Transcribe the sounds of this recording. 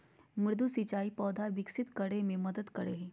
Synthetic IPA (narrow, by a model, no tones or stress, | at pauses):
mɪɾd̪ʱusɪt͡ʃaːipɔːd̪ʱaʋɪksɪt̪kɐɽemẽmɐd̪əd̪kɐɽeɦeː